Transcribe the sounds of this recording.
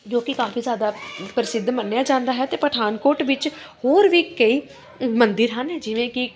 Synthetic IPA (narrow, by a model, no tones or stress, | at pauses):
d͡ʒoːkɪkaːfiːzjaːd̪aːpəɾɪsɪd̪ʱːmənːejaːd͡ʒãːnd̪aːɦɛːt̪eːpəʈʰaːnkoːʈʋɪt͡ʃhoːɾʋiːkəiː | mənd̪ɪɾɦənɦɛːd͡ʒɪʋẽːkɪ